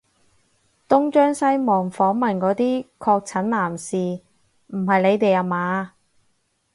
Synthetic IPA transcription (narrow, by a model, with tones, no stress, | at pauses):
t̪ʊ˥ŋt͡ʃœː˥ŋsɐ˥jmɔː˨˩ŋfɔː˨˥ŋmɐ˨nkɔː˨˥t̪iː˥kʰɔː˧k̚t͡sʰɐ˨˥nlaː˨˩msiː˨˩ | m̩˨˩hɐ˨jle˨˧jt̪e˨jɐ˨maː˨˧